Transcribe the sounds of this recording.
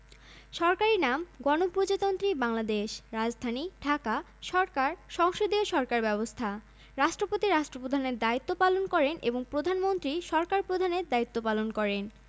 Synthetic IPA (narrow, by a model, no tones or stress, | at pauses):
ʃɔɾkaɾinamɡɔnopɾod͡ʑat̪ont̪ɾibaŋlad̪eʃɾad͡ʑd̪ʱaniɖʱaka | ʃɔɾkaɾʃɔŋʃod̪ioʃɔɾkaɾbɛbost̪ʰa | ɾaʃʈɾopot̪iɾaʃʈɾopɾod̪ʱaneɾd̪ait̪ːopalonkɔɾenʔḛboŋpɾod̪ʱanmont̪ɾiʃɔɾkaɾpɾod̪ʱaneɾd̪ait̪ːopalonkɔɾen